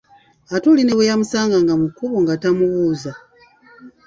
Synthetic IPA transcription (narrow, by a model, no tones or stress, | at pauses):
atuline̞wejamusaːŋɡaŋɡamukuβoŋɡatamuβuːza